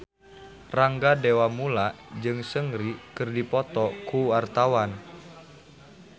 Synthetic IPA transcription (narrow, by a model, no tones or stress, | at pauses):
raŋɡadewamula | d͡ʒɨŋsəŋɾikɨrdipɔt̪ɔkuart̪awan